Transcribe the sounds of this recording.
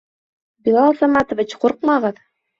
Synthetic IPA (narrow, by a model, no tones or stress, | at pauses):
bʲilˠɑlˠsamɑt̪ŏvʲit͡ɕquɾq̚mɑʁɤð